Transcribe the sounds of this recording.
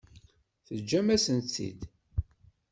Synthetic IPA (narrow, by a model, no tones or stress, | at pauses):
θəd͡ʒːæmæsənt͡sːḭd̪